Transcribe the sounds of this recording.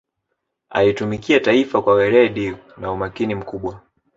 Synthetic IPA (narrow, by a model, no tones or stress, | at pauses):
a̰itumikiataifakwawɛɾɛɗi | naumakinim̩kuɓwa